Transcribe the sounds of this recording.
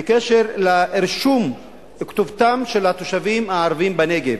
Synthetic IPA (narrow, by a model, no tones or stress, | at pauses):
ekeʃeʁlaʔeʁʃum | kt̪ovt̪amʃelat̪o̞ʃavimhaːʁvimbene̞ɡev